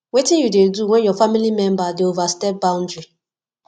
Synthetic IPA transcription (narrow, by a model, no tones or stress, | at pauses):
wetĩjudeduwɛ̃njɔfamilimɛ̃mbadeovastɛp̚baʊ̃n̩dɹi